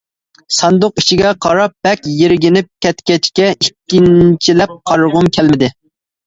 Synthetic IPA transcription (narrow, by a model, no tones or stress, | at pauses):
sɑnd̪ʊqi̥ʃiɡʲɛqʰɑɾɑp̚b̥ɛkʲjeɾɪɡʲɪnɪp̚kʲɛt̪kʲɛt͡ʃkʲɛikʲːint͡ʃʰilɛp̚qʰɑɾʁʊmkʲʰɛlmɪd̪ɪ